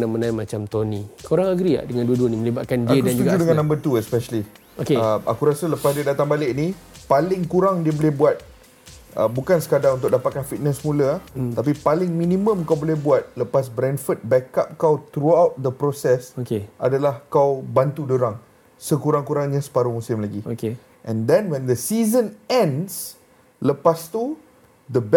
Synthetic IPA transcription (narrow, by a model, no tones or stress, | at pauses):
namənamat͡ʃamt̪onikoɾaŋaɡɾia̰ʔdəŋanduəduənĩmə̃libat̪̚kandiəkdand͡ʒuuɡad͡ʒudəŋannːãmbət̪uɛspɛʃəli | okeəa̰kuɾasələpasdiədat̪aŋbalɪʔni | palɪŋkuɾaŋdiəbolɛhbuat̪̚ | ə̰bukansə̥kadaŋunt̪ʊk̚dapat̪̚kanfit̪̚nəsəmũlət̪ap̬ipalɪŋmĩnĩmə̃mkawbolɛhbuat̪̚ləpas̬bɾɛ̃nfət̪̚bɛkap̚kawt̪ɾuawt̪̚d̪əpɾosɛsokeʔadalahkawbant̪udəɾaŋ | səkuɾaŋkuɾaŋɲasə̥paɾumusɪmlaɡioke | ʔɛ̃ndɛ̃nwɛ̃nd̪əsizə̃nɛ̃ns | ləpast̪u | d̪əb